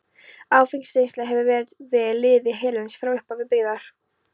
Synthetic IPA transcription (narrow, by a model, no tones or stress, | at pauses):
aːwfinslejnst̪lɛɣɦɛvʏvɛːɾɪt̪vɪlːɪːðɪɦɛːlɛnsfɾawʏhpavɪðpɪɣðaɾ̥